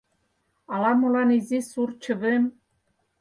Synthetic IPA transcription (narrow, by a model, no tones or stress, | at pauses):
ɑlɑmolɑnizisurt͡ɕɤ̆βɘ̆m